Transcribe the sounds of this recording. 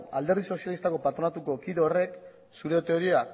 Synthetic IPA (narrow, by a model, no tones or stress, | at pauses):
a̰ld̪e̞ɾð̞iso̞sjalist̪ako̞pat̪ɾo̞nat̪uko̞kiðeore̞k | suɾe̞t̪e̞o̞ɾia